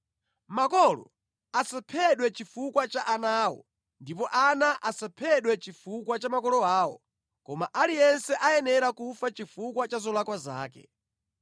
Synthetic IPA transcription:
makɔlɔ̰ | asapʰɛɗwɛt͡ʃifukwat͡ʃaʔanaːwɔ̰ | ndipɔʔanaʔasapʰɛɗwɛt͡ʃifukwat͡ʃamakɔlɔaːwɔ̰ | kɔmaʔalijɛnsɛʔajɛnɛɾakufat͡ʃifukwat͡ʃazɔlwakwaza̰ːkɛ̰

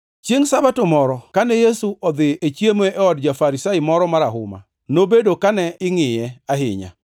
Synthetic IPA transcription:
t͡ʃjeŋsabatomɔɾɔkanɛjesuʔɔd̪ɪʔet͡ʃjemoʔɛɔdd͡ʒafaɾisaɪmɔɾɔmaɾaɦʊ̰ma̰ | nobedokanɛɪŋɪjɛaɦɪ̰ɲa̰

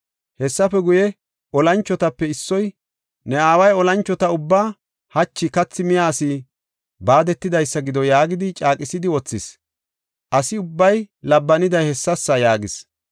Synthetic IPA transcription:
hɛsːɐfɛɡʊjɛ | ʔɔlɐnt͡ʃːɔt̪ɐpːɛɪsːɔj | nɛaːwɐjɔlɐnt͡ʃːɔt̪ɐʊbːaː | hɐt͡ʃːɪkɐt͡sːɪmɪjaːsɪ | baːd̪ɛt̪ːɪd̪ɐjsːɐɡɪd̪ɔjaːɡɪd̪ɪt͡ʃʼaːkʼɪsɪd̪ɪwɔt͡sːɪs | ʔɐsɪʊbːɐjlɐbːɐnɪd̪ɐjhɛsːɐsːɐjaːɡɪs

